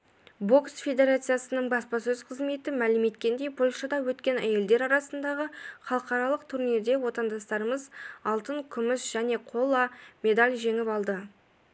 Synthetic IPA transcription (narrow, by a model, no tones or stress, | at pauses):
bo̞ksfʲe̞d̪e̞ɾat̪sɨjasənəɴbɑspɑsɵz̥qʰəzme̞t̪ɪmælɪme̞t̪kʲe̞nd̪e̞jpʰo̞lʲʃɑd̪ɑwɵt̪kʲe̞næje̞ld̪e̞ɾɑɾɑsənd̪ɑʁəχɑlˠəqɑɾɑlˠəq̚t̪ʰʊɾned̪e̞wo̞t̪ɑnd̪ɑst̪ɑɾəməzɑlˠt̪əŋkʲʰʏmɪsʒ̥æne̞qʰo̞lˠɑme̞d̪alʲʒe̞ŋɪpɑlˠd̪ə